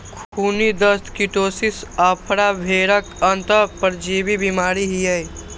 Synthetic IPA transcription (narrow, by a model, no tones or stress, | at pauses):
kʰkʰuːnid̪əst̪kiʈoːsɪsaːpʰɾabʱeːɾəkə̃nt̪əpəɾd͡ʒiːbibimaːɾiɦijəj